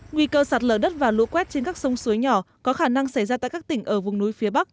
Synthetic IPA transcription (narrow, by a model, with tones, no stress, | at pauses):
ŋwi˧kəː˧saː˨˩t̚ləː˧˩ɗə˦˥t̚vaː˨˩lṵ˧˥kwɛ˦˥t̚t͡ɕe˧nkaː˦˥k̚sə˧wŋ͡msu˨˦jɲɔ˧˩ | kɔ˨˦xaː˧˩na˧ŋsa˧˩jzaː˧t̪a̰ː˧˨jkaː˦˥k̚t̪ï˧˩ŋ̟ʔəː˧˩vʊ˨˩ŋ͡mnu˨˦jfi˨˦əɓa˦˥k̚